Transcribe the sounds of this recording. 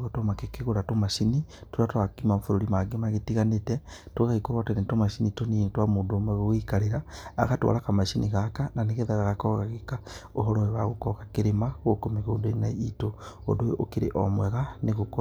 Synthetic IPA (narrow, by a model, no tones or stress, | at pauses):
ɣotomakekeɣoɾatomaʃinitoɾatakimamufuɾoɾimaɡemaɣetiɣanetetwaɣaɣikoɾwatenetomaʃinitonintwamudomweɣoɣikaɾeɾa̰ːɣatwa̰lakamaʃiniɣakananeɣeðaɣaɣakoɣaɣekaoɦoɾoewaɣukokakeɾemaɣokomiɣodonaitoo̰doʔokiɾḛʔo̰mweɣaneɣuko